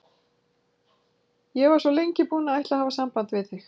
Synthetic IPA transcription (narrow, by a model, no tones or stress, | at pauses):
jɛɣvaɾ̥svɔlejɲcɪpuːnaajht̪aðhavasampant̪vɪðθɪx